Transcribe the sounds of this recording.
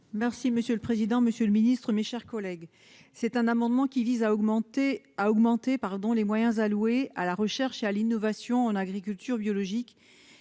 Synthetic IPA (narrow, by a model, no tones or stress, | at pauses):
mɛʁsiməsjøləpχezid̪ɑ̃məsjøləminist̪χəmeʃɛʁkɔlɛɡ | sɛt̪ɛ̃namɑ̃d̪mɑ̃kʲivizaɡmɑ̃ | aɔɡmɑ̃t̪epaʁd̪ɔ̃lemwajɛ̃zaluwealaʁəʃɛʁʃealinɔvasjɔ̃ɑ̃naɡʁik̬ʲylt̪yʁbjɔlɔʒik